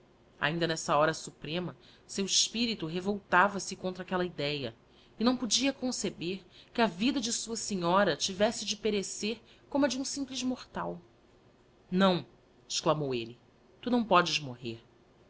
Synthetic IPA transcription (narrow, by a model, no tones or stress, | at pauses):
a̰ĩnd̪ɐnɛsɐɔɾɐsupɾẽmɐ | sewɪʃpiɾit̪uɦevowt̪avɐsɪkõnt̪ɾɐakɛlɐid̪ɛjɐ | ɪnɐ̃w̃pud͡ʒiɐkõsebeɾkɪɐvid̪ɐd͡ʒɪsuɐseɲɔɾɐt͡ʃivɛsɪd͡ʒɪpeɾeseɾ | kõmɐd͡ʒɪũsĩmplɪzmoχt̪aw | nɐ̃w̃ | ɪʃklamowelɪ | t̪unɐ̃w̃pɔd͡ʒɪzmoɦeɾ